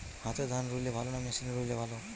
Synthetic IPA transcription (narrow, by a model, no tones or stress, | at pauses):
hãt̪ed̪ʱanɾulebʱalonamasinɾulebʱalo